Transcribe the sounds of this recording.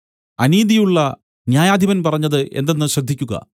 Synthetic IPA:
ɐniːd̪ijuɭːɐ | njaːjaːd̪ʱiβɐnpɐrɐɲːɐðɨʔe̞̰nd̪e̞nːɨɕrɐɡ̚d̪ʱːikʲːuɣɐ̰

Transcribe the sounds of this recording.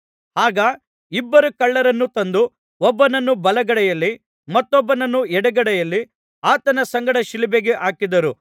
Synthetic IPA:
haːɡɐ | ibːɐɾukɐɭːɐɾɐnːut̪ɐnd̪u | ɔbːɐnɐnːubɐlɐɡɐɽɛjɐlːi | mɐt̪ːɔbːɐnɐnːuɛɽɛɡɐɽɛjɐlːi | aːt̪ɐnɐsɐŋɡɐɽɐʃilibeɡeʔaːkid̪ɐɾu

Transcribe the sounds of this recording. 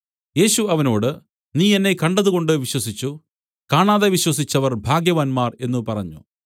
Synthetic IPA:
je̞ːɕuɐʋɐno̞ːɽɨ | niːenːe̞kɐɳɖɐðuɣo̞ɳɖɨʋiɕwɐsit͡ɕːu | kaːɳaːðeʋiɕwɐsit͡ɕːɐʋɐrbʱaːɡjɐʋaːnmaːre̞nːupɐrɐɲːṵ

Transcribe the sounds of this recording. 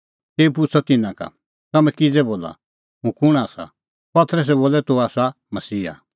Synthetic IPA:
t̪eːupʊt͡sʰɔt̪ɪnãka̰ | t̪ɐmɛ̃kid͡zɛboːla̰ | ɦũkʊɽ̃aːsa̰ | pɐt̪ɾəs̬ɛboːlɛt̪oaːsa | mɐsiːɦa̰

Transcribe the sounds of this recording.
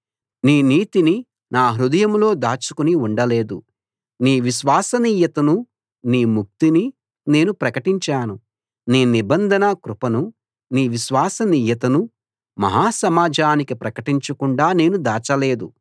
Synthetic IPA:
niːniːt̪ini | naːɦɾud̪ɐjɐmlo̞ːd̪aːt͡ʃu̥kuniuɳɖɐle̞ːd̪ṵ | niːʋiʃʋaːsɐniːjɐt̪ɐnu | niːmuk̚t̪ini | ne̞ːnupɾɐkɐʈiɲt͡ʃaːnu | niːnibɐnd̪ʱɐnɐkɾupɐnu | niːʋiʃʋaːsɐniːjɐt̪ɐnu | mɐ̰ɦaːsɐmaːd͡ʒʱaːnikipɾɐkɐʈiɲt͡ʃɐkuɳɖaːne̞ːnud̪aːt͡ʃɐle̞ːd̪ṵ

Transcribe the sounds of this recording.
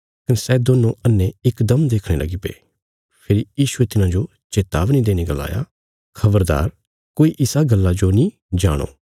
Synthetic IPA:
kɐnsɛːd̪oːnõʔənːeɪkd̪əmd̪eːkʰɽ̃eːlɐ̰ɡipḛː | pʰɪɾijiːʃʊet̪ɪnãːd͡ʒo | t͡ʃeːt̪aːʋnid̪eːneɡəla̰ːja̰ː | kʰɐbəɾd̪a̰ːɾ | koːiʔɪsaɡəlːad͡ʒonĩ | d͡ʒaːɽ̃o̰ː

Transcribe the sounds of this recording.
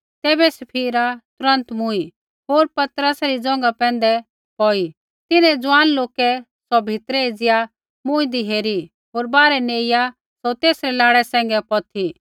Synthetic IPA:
t̪ɛːbɛsɐpʰiːɾat̪ʊɾə̃nt̪mʊi | ɦoːɾpɐt̪ɾəsɾid͡zɔ̃ːŋɡapɛ̃ːnd̪ɛ | ɦɔːi | t̪ɪnɛ̃d͡zʊwaːnloːkɛ | sɔbʱɪt̪ɾɛed͡zɪja | mʊ̃id̪iɦeːɾi | ɦoːɾbaːɾɛneːɪja | sɔt̪eːsɾɛlaːɽɛsɛ̃ːŋ̆ɡɛpɔt̪ʰi

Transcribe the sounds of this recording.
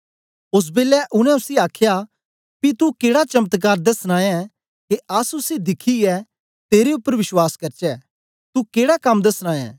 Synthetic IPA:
ʊs̬beːlɛʔʊnɛ̃ʊsiaːkʰja | pit̪ukeːɽat͡ʃɐmət̪k̬aːɾd̪ɐsnãːɛ̃ | keɐsʊsid̪ɪkʰiɛ | t̪eːɾeʊpːəɾʋɪʃwaːskɐɾt͡ʃɛː | t̪ukeːɽakɐmd̪ɐsnãːɛ̰̃ː

